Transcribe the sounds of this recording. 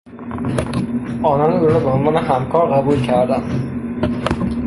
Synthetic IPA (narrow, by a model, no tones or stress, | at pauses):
ʔɒːnɒːnuːɾɾɔːbeonvɒːnehæmkʰɒːɾɢæbuːlcʰæɾd̪æn